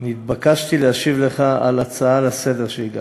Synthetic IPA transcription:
nit̪̚bakaʃt̪ileaʃivle̞χaa̰lat͡saalase̞deʁʃeiɡa̰

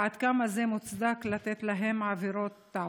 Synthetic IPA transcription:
ad̪kamazemut͡sd̪aklat̪et̪laɦe̞mːaːviɾo̞t̪ːa

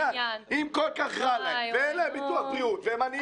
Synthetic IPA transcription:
aimkolkaχʁalveelebit̪uaχtiut̪vemanj

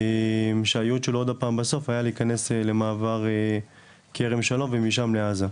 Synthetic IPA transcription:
emʃeajut̪ʃelod̪apaːmbaso̞fajaliːkane̞sle̞maːvaʁ | kʰeʁemʃalo̞mvemiʃamleaza

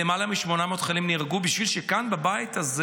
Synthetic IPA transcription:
emalamiʃmo̞namot̪χalimniʁaɡubiʃvilʃekanbabajit̪ʰaz

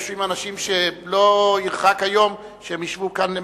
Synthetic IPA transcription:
ʃuimanaʃimʃelo̞iʁχakhajo̞m | ʃeemiʃvukane

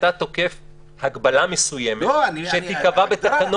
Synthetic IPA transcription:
tat̪o̞ke̞f | haɡbalamesujemeʃet̪ikavabet̪akano

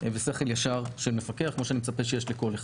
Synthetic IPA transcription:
veseχeljaʃaʁʃelme̞fakeaχkmoʃeanimet͡sapeʃejeʃliko̞le

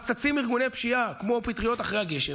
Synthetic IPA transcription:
t͡sat͡simiʁɡunepʃiakmo̞pit̪ʁijo̞t̪aχʁejhaɡe̞ʃe

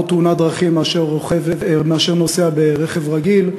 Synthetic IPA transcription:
t̪unad̪ʁaχimaʃeʁoχevmeaʃeʁnoseabeʁeχevʁaɡil

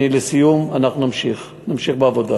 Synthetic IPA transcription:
ilesijumanaχnunamʃiχ | namʃiχbeavo̞d̪a

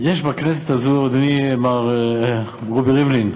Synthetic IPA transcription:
jɛʃbaknɛstazudnimaʁ | ʁubiʁivlin

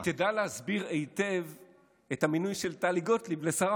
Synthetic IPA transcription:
t̪edalehazbiʁejte̞v | ethaminujʃeltaːliɡo̞tliblesaʁa

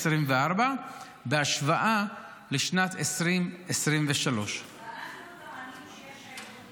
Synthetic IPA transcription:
sʁimveaʁba | beaʃvaʔa | leʃnat̪ʰesʁimesʁimveʃalo̞ʃ

